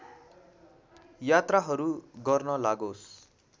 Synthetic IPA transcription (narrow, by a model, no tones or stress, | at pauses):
jat̪raɦʌɾuɡʌrnʌlaɡos